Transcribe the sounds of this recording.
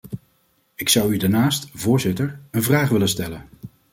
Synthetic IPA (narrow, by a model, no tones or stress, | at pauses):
ɪksʌwydaɹnaːstv̥ʊːɹzɪtəɹənvraːχʋɪlənstɛlən